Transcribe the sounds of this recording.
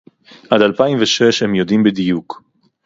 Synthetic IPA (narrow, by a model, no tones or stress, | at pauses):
ʔadalpaimveʃeʃhemjod̪imbed̪ijuk